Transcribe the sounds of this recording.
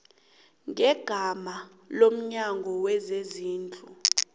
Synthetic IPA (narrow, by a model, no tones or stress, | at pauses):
ŋʱɛɡ̥ʱama | lom̩ɲaŋɡʱɔwɛzeziːnt͡ɬʼu